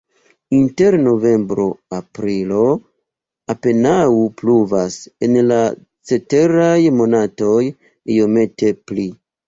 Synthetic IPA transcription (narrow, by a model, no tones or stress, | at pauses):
inte̞ɾno̞ve̞mbɾo̞apɾilo̞ | ape̞naupluvase̞nla | t͡se̞te̞ɾajmo̞nato̞j | io̞me̞te̞pli